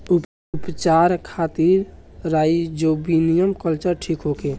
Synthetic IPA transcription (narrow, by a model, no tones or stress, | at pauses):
u | upt͡ʃaɾkʰat̪iɾɾajd͡ʒobinijəmkəlt͡ʃəɾʈʰikɦoke